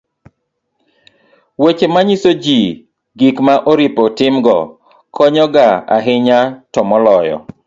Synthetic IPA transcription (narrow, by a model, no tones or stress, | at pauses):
wet͡ʃemaɲisod͡ʒi | ɡikmaʔoɾipɔtɪmɡɔ̰ | kʰɔɲɔɡaa̰ɦɪɲatɔmɔlɔjɔ̰